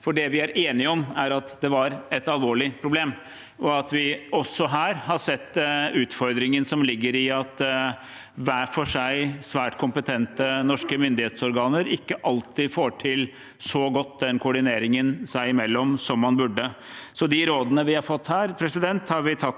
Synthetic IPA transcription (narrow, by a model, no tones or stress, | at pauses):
fɔɖɛʋɪæɾeːnɪɔmæɾɑt̪d̪ɛʋɑɾɛt̪ɑlʋoːɭɪpʰɾʊbleːm | ʔɔɑt̪ʋɪɔsːɔɦæːɾhɑsɛt̪ːʉːt̪fɔɾd̪ɾɪŋənsɔmlɪɡːəɾɪɑt̪ | ʋæːfɔʂæɪsʋæːʈkʰʊmpət̪ʰɛnt̪ənɔʂkəmʏnd̪ɪheːt̪sɔɾɡɑːnəɾɪkːəʔɑlt̪ɪfoːʈʰɪl | sɔɡɔt̪ːd̪ɛnkʰʊʊɖɪneːɾɪŋənsæɪɪmɛlːɔmsɔmːɑnbʉɖːə | sɔd̪ɪɾoːd̪ənəʋɪhɑɾfɔt̪ːhæːɾpʰɾɛsɪd̪ɛnt̪hɑɾʋɪt̪ʰɑt̪ː